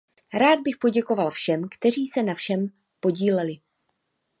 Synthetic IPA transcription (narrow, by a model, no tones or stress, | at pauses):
ɾaːd̪̚bɪxpo̞ɟɛko̞valfʃɛmkt̪ɛr̝iːsɛnafʃɛm | po̞ɟiːlɛlɪ